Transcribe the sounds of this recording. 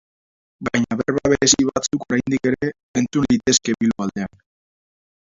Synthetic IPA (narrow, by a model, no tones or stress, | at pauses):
ɡajɲaβeɾβaβ̞e̞ɾesiβat͡suko̞ɾajnd̪ike̞ɾe̞ː | nt͡sunlit̪e̞ske̞βiluald̪e̞an